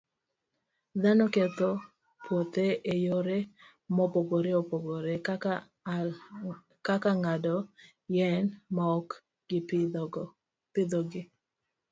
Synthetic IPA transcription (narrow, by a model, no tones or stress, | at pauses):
d̪anɔket̪o | pwot̪eʔejoɾe | mɔpoɡoɾeopoɡoɾe | kakaŋadɔ | jɛnmaɔk | ɡɪp | pɪd̪ɔɡɪ